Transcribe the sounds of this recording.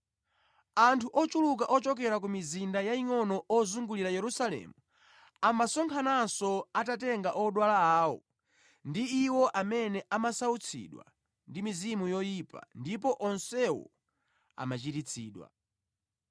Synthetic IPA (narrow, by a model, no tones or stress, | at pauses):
antʰuʔɔt͡ʃuluk̬aʔɔt͡ʃɔkɛɾak̬umizindajaiŋɔnɔʔɔzuŋɡuliɾajɛɾusalɛ̰mu | amasɔŋkʰanansɔatat̬ɛŋɡaʔɔɗwalaaːɔ̰ | ndiːwɔʔamɛnɛʔamasaut͡sʰḭɗwa̰ | ndimizimujɔjipa̰ndip̬ɔʔɔnsɛwɔ̰ | a̰mat͡ʃitit͡sʰiːɗwa̰